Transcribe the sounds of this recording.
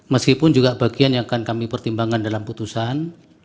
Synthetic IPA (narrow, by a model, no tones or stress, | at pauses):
məskipʊnd͡ʒuɡabaɡianjaŋakankamipərt̪imbaŋandalamput̪usan